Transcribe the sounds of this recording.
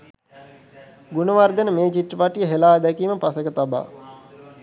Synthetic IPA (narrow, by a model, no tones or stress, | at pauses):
ɡunəʋard̪enəmeːt͡ʃiʈ̪rəpaʈijəɦelaːd̪ɛkiːməpasəkət̪aba̰ː